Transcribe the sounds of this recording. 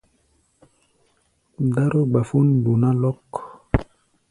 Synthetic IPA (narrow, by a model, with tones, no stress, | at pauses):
da˦ɾo˦ɡ͡ba˨fu˦ndu˨na˦lɔ˦k